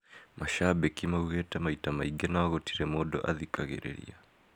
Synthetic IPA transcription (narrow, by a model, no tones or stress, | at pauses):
mʔaʃabɛkimauɣɛtamaitamaiɡɛnawaɣɔti̥ɾɛmɔɗɔ̰ʔaðikaɣɛ̰ɾɛ̰ɾḭa